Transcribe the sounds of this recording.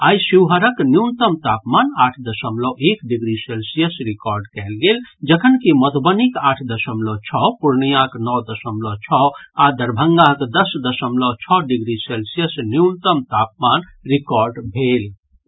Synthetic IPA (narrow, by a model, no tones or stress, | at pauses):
aːjsiʋɦəɾəknjunt̪əmt̪apmanaʈʰd̪əsəmlɔʔekɖiɡɾiselsijəsɾikɔɾɖkɛlɡeld͡ʒəkʰənkimət̪bənikaːʈʰd̪əsəmlɔt͡ʃʰɔpuɾnijãknɔd̪əsəmlɔt͡ʃʰɔad̪əɾbʱəŋɡaɦkd̪əsd̪əsəmlɔt͡ʃʰɔɖiɡɾiselsijəsnjunt̪əmt̪ap̚man | ɾikɔɾɖbʱel